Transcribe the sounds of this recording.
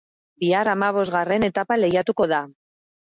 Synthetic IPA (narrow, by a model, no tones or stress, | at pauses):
biaɾamaβ̞o̞zɣare̞ne̞t̪apale̞jat̪uko̞ða